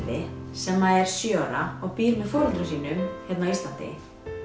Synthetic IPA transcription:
ðɪsɛmːaɛɾ̥sjœɾaɔɣpiːɾmɛðfɔɾɔlt̪ɾʏsiːnʏmçjɛt̪nawist̪lant̪ɪ̰

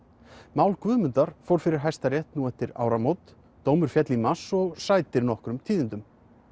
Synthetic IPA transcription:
maːwlkvʏːðmʏnt̪aɾ̥fɔwɾ̥fɪɾɪɾɦajst̪aɾjɛjht̪nuɛft̪ɪɾa̰ːwɾamowt̪ | t̪oːwmʏɾ̥fjɛt̪limasɔɣsaːjt̪ɪɾnɔhkɾʏmt̪ʰiːðɪnt̪ʏm

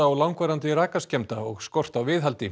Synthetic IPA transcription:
aawlawŋkvaɾant̪ɪɾaːkascɛmt̪aɔɣskɔr̥t̪awvɪːðɦalt̪ɪ

